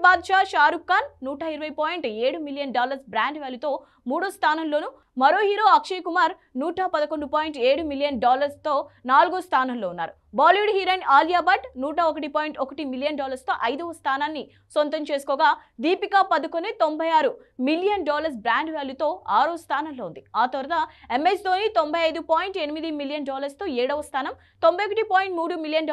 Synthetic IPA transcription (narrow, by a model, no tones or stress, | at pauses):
baːd̪ʃaːʃaːɾukːaːnːuːʈaːiɾɐʋɐjpoːjiɳʈeːɽumilijɐnɖaːlɐɾsbɾaːɳɖʋeːlut̪o̞ː | muːɽuːst̪ʰaːnɐnlo̞ːnu | mɐɾo̞ːɦiːɾo̞ːɐkʂikumaːɾ | nuːʈapɐd̪ɐkoɳɖupaːjiɳʈeːɽumiljɐnɖaːlɐɾst̪o̞ːnaːluɡust̪ʰaːnaːnloːunːa̰ːɾu | baːliʋuɖɦiːɾɐːnaːljaːbɐʈnuːʈɐokɐʈipaːjiɳʈokɐʈimilijɐnɖaːlɐɾst̪o̞ːʔɐjd̪ɐʋɐst̪ʰaːnaːnːi | sʋɐnt̪ɐmt͡ʃe̞ːsu̥kɔːɡaːd̪iːpikaːpɐd̪ɐkonet̪o̞mbʱɐjaːɾu | milijɐnɖaːlɐɾs̬bɾaːɳɖʋeːlut̪o̞ːaːɾust̪ʰaːnaːmlo̞ːund̪iaːt̪ɐʋɾɐd̪aemːest̪oːnit̪ombʱɐjɐjd̪upaːjiɳʈenimid̪imilijɐnɖaːlɐɾst̪o̞ːɛːɽɐʋɐst̪ʰaːnɐm | t̪o̞mbɐjokɐʈipaːjiɳʈmuːɽumilijɐnɖ